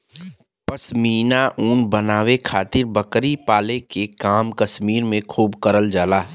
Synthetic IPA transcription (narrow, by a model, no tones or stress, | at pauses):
pɐsmiːnaʔuːnbɐnaːʋekʰaːt̪ɪɾbɐkɾipaːlekekaːmkɐsmiːɾmẽkʰuːbkəɾəld͡ʒaːlaː